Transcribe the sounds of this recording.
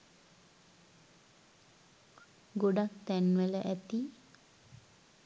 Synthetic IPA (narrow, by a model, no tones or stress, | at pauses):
ɡoɖak̚t̪ænʋələʔæt̪i